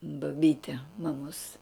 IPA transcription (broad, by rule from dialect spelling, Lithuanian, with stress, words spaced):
bɐˈbʲiːtʲɪ mɐˈmoːs